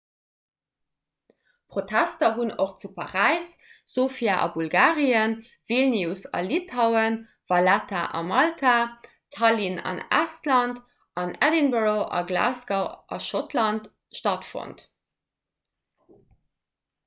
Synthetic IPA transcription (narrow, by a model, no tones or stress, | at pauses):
pʁotʰæstɐɦunoχt͡supʰɑʁæɪsz̥oːfiaʔɑ̰bulɡaːʁiən | vilniusɑ̰litʰaʊən | vɑlætʰaʔɑ̰mɑltʰa | tʰɑlinɑ̰næ̰stlɑnt | ʔɑnɛdinbəʁoʔɑ̰ɡla̰ːsɡaʔɑ̰ʃotʰlɑnt | ʃtɑtfo̰nt